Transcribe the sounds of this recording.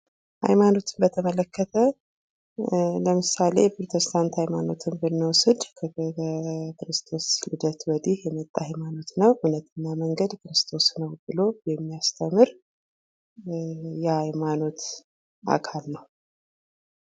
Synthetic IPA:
ha̰jmano̞t̪ʰɨ̥nbət̪ʰəmələkːət̪ʰə | ləmɨsale̞̰pɾot̪ʰɛst̪ʰant̪hajmano̞t̪ʰɨnbɨnːəwsɨd̪kʰ | kɾɨst̪ʰo̞slɨd̪ət̪wəd̪ihjɛmət̪ʼːahajmano̞t̪nəwʔunət̪ʰɨnːaməŋɡəd̪kɨɾɨst̪ʰo̞snəwbɨlo̞jɛmːijast̪ʰəmːɨɾ | jɛhajmano̞t̪ | ʔa̰kʰalnəw

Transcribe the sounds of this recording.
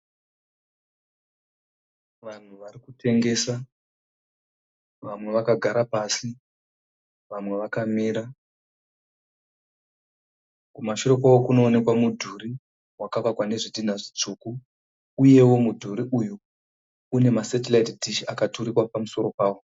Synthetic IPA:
ʋan̤uʋaɾikute̞ŋɡe̞sa | ʋamwe̞ʋakaɡʱaɾapasi | ʋamwe̞ʋakamiːɾa | kumaʃoɾo̞kawokuno̞ːne̞kwamudʱuɾi | wakakakwane̞ʐidin̤aʐit͡ʂuːku | uje̞wo̞mudʱuɾiʔujuː | ne̞masatelaitdʱiʃiakatuɾiwapamuso̞ro̞paːwo̞

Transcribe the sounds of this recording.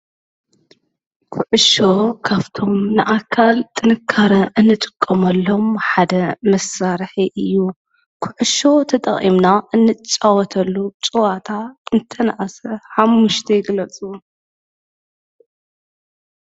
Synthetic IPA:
kʰuʕɨʃo̞kʰaβt̪ʰo̞mnɨʔakʰːalt̪ʼɨnɨkʰːaɾɐʔɨnːɨt̪ʼɨ̥kʼːɐmɐlːo̞mħad̪ɐmɐsaɾħiʔɨjːu | kʰʊʕɨʃo̞t̪ʰɐt̪ʼɐ̰χʼimnaʔɨnːɨt͡ʃʼːawɔt̪ʰɐlːut͡ʃʼɨwat̪ʰaɨnt̪ʰɐnaʔasɐħamːuʃt̪ʰɐjɪɡlɐt͡sʼu

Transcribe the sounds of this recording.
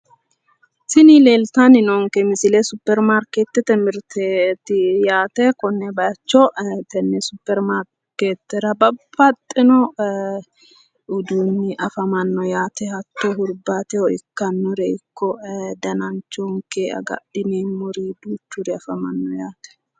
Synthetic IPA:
sɪnile̞ːlt̪anɪnɔŋkɛmɪsɪlɛsʊpːɛɾmaɾkeːt̪ːɛt̪ɛmɪɾt̪ʰɛt̪ːɪjaːt̪ɛkɔnːɛbɐɐt͡ʃːɔt̪ɛnːɛsʊpːɛɾmaɾ | kːeːt̪ːɛɾɐbɐb̥ːɐt̪ʼːɪnɔ | ʊd̪uːnːɪʔɐfɐmɐnːɔjaːt̪ɛhɐt̪ːɔɦʊɾbat̪ɛɔɪkːɐnːɔɾɛɪkʰːɔd̪ɐnɐnt͡ʃːɔŋkɛɐ̰ɡɐ̰ɗɪneːmɔɾid̪uːt͡ʃːʊɾɛɐfɐmɐnːɔjaːt̪ɛ̥

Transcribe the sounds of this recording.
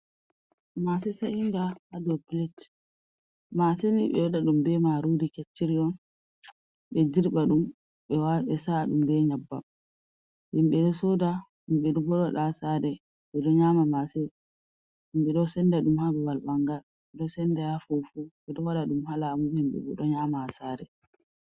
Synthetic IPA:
masɛsaʔindahadɔpilɛt | maseniɓɛwaɗaɗumbɛmaɾudiket͡ʃːiɾiɔn | ɓɛd͡ʒiɾɓaɗum | ɓɛwaɓɛsaɗumbɛɲabːa̰ | himɓɛɗɔsoda | himɓɛɗɔɡɔɗɔɗasaɾɛ | ɓɛɗɔɲaːmamasɛ | himɓɛɗɔsɛndaɗumhabɛwalɓaŋɡal | ɓɛɗɔsɛndajafofuɓɛɗɔwaɗaɗumhalamuhimɓɛ̰bɔɗɔɲaːmahasaɾɛ

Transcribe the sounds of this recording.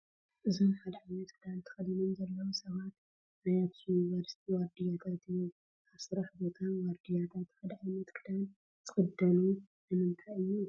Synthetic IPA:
ʔɨzo̞mħad̪ɐʕajmɐt̪kʰɨd̪ant̪ʰɐ̥xɐd̪inomzɐlːɐwosɐβat̪ | najat̪ʰijunivɐɾsi̥t̪ʰiwaɾd̪ijat̪ʰat̪ɨjːu | aβsɨɾaħbo̞t̪ʰawaɾd̪ijat̪ʰat̪ħad̪ʕajmɐt̪kʰɨd̪an | t̪ʰɨxʼɨd̪ːɐlu | nɨmɨnt̪ʰaɨjːu

